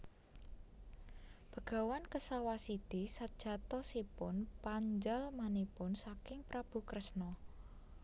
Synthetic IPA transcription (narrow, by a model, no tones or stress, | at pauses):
b̥ə̤ɡ̥a̤wankəsawasid̪̥isad̥ʒ̥a̤t̪ɔsipʊnpaɲd͡ʒalmanipʊnsakɪŋpɾab̥ṳkɾəsnɔ